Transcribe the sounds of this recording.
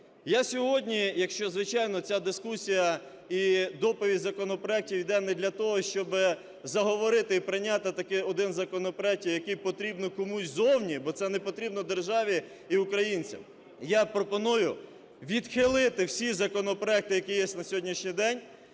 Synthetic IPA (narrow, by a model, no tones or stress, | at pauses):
jasʲɔɦɔdʲnʲijɐkʃt͡ʃɔzʋɪt͡ʃɑjnɔt͡sʲad̪ɪskusʲijɐ | id̪ɔpɔʋʲizɐkɔnɔpɾɔɛk̚tʲiwid̪ɛnɛd̪lʲɐt̪ɔɦɔʃt͡ʃɔbɪ | zɐɦɔʋɔɾɪt̪ɪipɾɪnʲat̪ɪt̪ɐkɪɔd̪ɪnzɐkɔnɔpɾɔɛk̚tʲijjɐkɪjpɔt̪ɾʲibnɔkɔmusʲzɔwnʲibɔt̪sɛnɛpɔt̪ɾʲibnɔd̪erʒɑʋʲi | iʊkɾɐjinʲt͡sʲɐ̰m | japɾɔpɔnujʊ | ʋʲid̪xɪlˠɪt̪ɪwsʲizɐkɔnɔpɾɔɛk̚t̪ɪjɐkijɛsʲtʲnɐsʲɔɦɔdʲnʲiʃnʲijd̪ɛnʲ